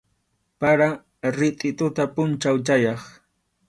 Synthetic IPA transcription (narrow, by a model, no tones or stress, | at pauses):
paɾa | ɾɪt̪ʼɪt̪ʊt̪apʊnt͡ʃawt͡ʃajɑχ